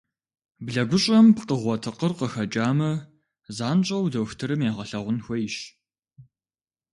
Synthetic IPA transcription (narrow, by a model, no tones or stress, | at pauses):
bɮɐɡʷʊɕʼɐmpqəʁʷɔtʰɨqərqəxɐt͡ʃʼaːmɐ | zaːnɕʼɐwdɐwxtʰɨɾɨmjaːʁɐɬɐʁʷʊnxʷɔjɪɕ